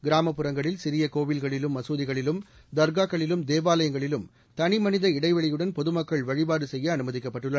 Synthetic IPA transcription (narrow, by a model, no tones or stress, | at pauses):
ɡɪɾaːmɐpːɯɾɐŋɡɐɭɪlsɪɾɪjɐkoːʋɪlɣɐɭɪlɯmːɐsoːðɪɣɐɭɪlɯm | d̪ɐɾɡaːkːɐɭɪlɯmd̪eːʋaːlɐjɐŋɡɐɭɪlɯm | t̪ɐnɪmɐnɪðɐɪɽɐɪʋɐɭɪjɯɽɐnpɔðɯmɐkːɐɭʋɐɻɪbaːɾɯsɛjːɐɐːnɯmɐðɪkːɐpːɐʈːɯɭːɐ